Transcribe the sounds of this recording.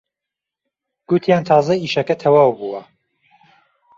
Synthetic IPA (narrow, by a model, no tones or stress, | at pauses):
ɡ̥ut̪ʰjaːnt̪ʰɑːzɐiːʃɐkɐt̪ʰɐwaːwbuwɐ